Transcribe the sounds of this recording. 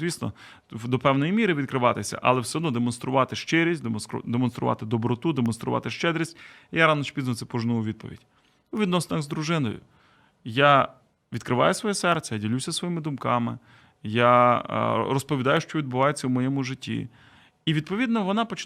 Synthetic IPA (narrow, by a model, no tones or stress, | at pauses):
ʋʲisnɔ̰ | d̪ɔpɛwnɔjimʲiɾɪʋʲid̪̚kɾɪʋɑt̪ɪsʲɐ̰ʔɐ̰lˠɛwsʲɛɦɔd̪nɔd̪emɔnst̪ɾʊʋɑt̪ɪʃt͡ʃɪɾʲisʲtʲd̪emd̪emɔnst̪ɾʊ̰ʋɑ̰t̪ɪd̪ɔbɾɔt̪ud̪emɔnst̪ɾʊ̰ʋɑ̰t̪ɪʃt͡ʃɛd̪ɾʲisʲtʲijaɾɑnɔʃpʲiznɔt̪sɛpɔʒnuʊʋʲid̪̚pɔ̰ʋʲḭdʲ | uʋʲid̪nɔsenɐɣzd̪ɾʊʒɪnɔ̰jʊ̰ | ja | ʋʲid̪kɾɪʋɑ̰jʊsʋɔjɛsɛrt̪sʲɛjadʲilʲusʲɐsʋɔjimɪd̪ʊmkɑmɪ̰ | ja̰ | rɔspɔʋʲid̪ɑjʊʃt͡ʃɔʋʲid̪̚bʊʋɑjet͡sʲːɐwmɔjɛmʊʒɪtʲːḭ | iʋʲid̪pɔʋʲid̪nɔʋɔnɑpɔt͡ʃɪ